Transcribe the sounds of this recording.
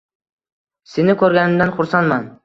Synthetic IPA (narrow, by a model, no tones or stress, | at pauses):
senɪkʲʰɵɾɡʲanɪmd̪anχʊɾsanman